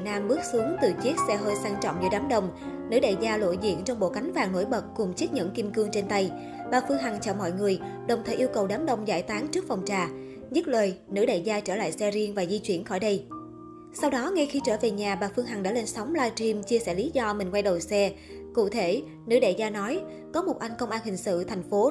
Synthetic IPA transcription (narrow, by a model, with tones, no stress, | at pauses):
naː˧mɓɨ˦˥ək̚su˨˦əŋt̪ɨ˨˩t͡ɕi˦˥ət̚sɛ˧ɦəː˧jsaː˧ŋt͡ɕɔ̰˧˨wŋ͡mɲɨ̰˧˥ɗaː˨˦mɗə˧˩wŋ͡m | nɨ̰˧˥ɗə̰˧˨zaː˧lo̰˧˨jzḭ˧˨ənt͡ɕɔ˧wŋ͡mɓo̰˧˨ka˨˦jŋ̟vaː˨˩ŋno̰˧˥˩jɓə˨˩t̚kʊ˨˩ŋ͡mt͡ɕi˦˥t̚ɲə̰˧˨nki˧mkɨ˧əŋt͡ɕe˧nt̪a˧j | ɓaː˨˩fɨ˧əŋɦa˨˩ŋt͡ɕɔ̰˧˩mɔ̰˧˨jŋɨ˨˩əjɗə˨˩wŋ͡mt̪ʰəː˧˩ʔi˧əwkə˨˩wɗaː˨˦mɗə˧wŋ͡mza̰ː˧˩jt̪aː˨˦ŋt͡ɕɨ˦˥k̚fɔ˨˩wŋ͡mt͡ɕaː˨˩ | ɲɨ˦˥t̚ləː˨˩jnɨ̰˧˥ɗə̰˧˨zaː˧t͡ɕəː˧˩la̰ː˧˨jsɛ˧zi˧ənvaː˨˩zi˧t͡ɕwi˧˩ənxɔ˧˩jɗə˧j | sa˧wɗɔ˨˦ŋa˧xi˨˦t͡ɕəː˧˩ve˨˩ɲaː˨˩ɓaː˨˩fɨ˧əŋɦa˨˩ŋɗa̰ː˧˥le˧nsa˨˦wŋ͡mlaː˧t͡ɕi˧mt͡ɕi˧əsɛ̰ː˧˩li˨˦zɔ˧mï˨˩ŋ̟kwa˧jɗə˨˩wsɛ˧ | kṵ˧˨t̪ʰe˧˩ | nɨ̰˧˥ɗə̰˧˨zaː˧nɔ˨˦j | kɔ˨˦mo˨˩t̚ʔa˧jŋ̟kə˧wŋ͡mʔaː˧nhï˨˩ŋ̟sɨ̰˧˨t̪ʰɛ˨˩jŋ̟fo˨˦